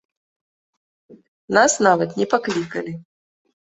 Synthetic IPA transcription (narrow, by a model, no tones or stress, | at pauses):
nasnavɐt̪nʲɛpaklʲikɐlʲi